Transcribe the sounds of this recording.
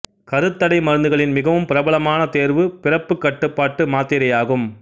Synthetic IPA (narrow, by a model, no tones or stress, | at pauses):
kɐɾɯt̪ːɐɽɐɪmɐɾɯnd̪ɯɣɐɭɪnmɪɣɐʋɯmpɪɾɐbɐɭɐmaːnɐt̪eːɾʋɯpɪɾɐpːɯkːɐʈːɯpːaːʈːɯmaːt̪ːɪɾɐjaːɣɯm